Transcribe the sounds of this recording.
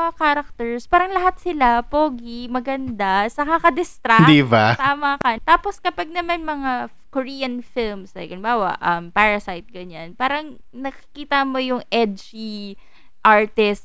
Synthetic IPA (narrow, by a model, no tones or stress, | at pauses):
ɐkaːɾɐk̚t̪ɛɹspaːɾɐŋlɐɦat̪sɪlapoːɡimɐɡɐnd̪asɐkɐkɐd̪ɪst̪ɾad̪ibat̪aːmakɐnt̪aːposkɐpaɡ̚nɐmanmɐŋa | koɹiːjɐnfilmsɐjɡɪnbaːwɐ̰ʔɐmpaɹɐsajt̪̚ɡɐɲanpaːɾɐŋ | nɐkɪ̥kiːt̪ɐmo̞jʊŋʔɛd̪d͡ʒi | ʔaɹt̪ɪst̪